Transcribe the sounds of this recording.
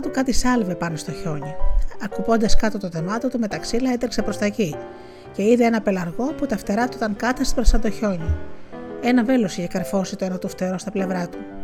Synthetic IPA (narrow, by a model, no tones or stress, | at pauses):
ɐt̪ukɐt̪isɐlve̞pɐno̞st̪o̞ço̞ɲiɐkupo̞nd̪ɐskɐt̪o̞t̪oθemɐt̪ot̪ume̞t̪ɐksilɐe̞t̪ɾekse̞pɾo̞st̪ɐci | ce̞iðeenɐpe̞lɐɾɣo̞put̪ɐft̪e̞ɾɐt̪ut̪ɐŋkɐt̪ɐspɾɐsɐd̪oço̞ɲi | e̞nɐve̞lo̞siçe̞kɐɾfo̞sit̪oenɐt̪uft̪e̞ɾo̞st̪ɐple̞vɾɐt̪u